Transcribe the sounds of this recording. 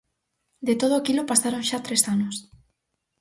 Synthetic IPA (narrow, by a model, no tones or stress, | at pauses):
d̪et̪oð̞okilopasaɾonʃat̪ɾesanos